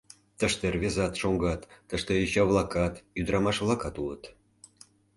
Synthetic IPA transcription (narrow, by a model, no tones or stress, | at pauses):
t̪əʃt̪ervʲezɑt̪ʃoŋɡɑt̪ːəʃt̪ejyt͡ɕɑβlˠɑkɑt̪jyd̪ɾɑmɑʃvlˠɑkɑt̪ulə̰t̪